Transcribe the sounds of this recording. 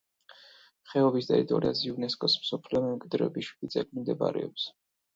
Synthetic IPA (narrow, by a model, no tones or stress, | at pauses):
χɛɔvisd̪ait̪ʼɔɾiaziuvnɛskʼɔsm̩sɔpʰliɔmɛmkʼwid̪ɾɛbiʃwid̪it̪sʼɛlmimd̪ɛba̰ɾɛ̰ɔps